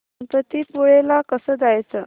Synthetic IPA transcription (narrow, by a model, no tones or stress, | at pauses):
npət̪iːpuɭelakəsəːd̪ajt͡sə